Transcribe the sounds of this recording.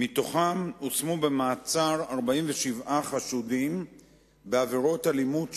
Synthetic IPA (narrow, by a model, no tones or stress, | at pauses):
mit̪o̞χamosmube̞maːt͡saʁaʁbaimveʃivʔaχaʃudim | beaveʁo̞talimud